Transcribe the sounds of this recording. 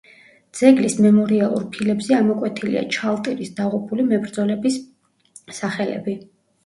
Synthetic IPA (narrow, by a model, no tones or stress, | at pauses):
d̪z̥ɛɡlismɛmɔɾialˠṵɾpʰilɛbzɛamɔkʼwɛt̪ʰilḭa̰t͡ʃʰalˠt̪ʼiɾisd̪̥aʁupʰulimɛbɾd̪zɔlɛbis | saχɛlɛ̰bi